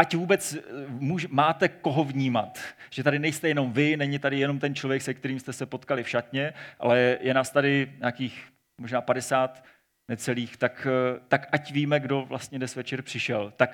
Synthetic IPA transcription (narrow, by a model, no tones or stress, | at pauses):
ʔacvuːbɛt͡smuːʒɛmaːt̪ɛko̞ɦo̞vɲiːmat̪ʒ̥ɛt̪adɪnɛjst̪ɛjɛno̞mvɪnɛɲɪt̪adɪjɛno̞mt̪ɛnt͡ʃlovjɛksɛk̚t̪ɛɾiːmst̪ɛsɛpo̞t̪kalɪfʃat̪ɲɛʔa̰lɛjɛnaːst̪adɪɲaːkiːx | moʒnaːpadɛsaːt̪ | nɛt͡sɛliːxt̪akt̪akʔacviːmɛɡdo̞vlast̪ɲɛdɛsvɛt͡ʃɛɾpr̥ɪʃɛlt̪ak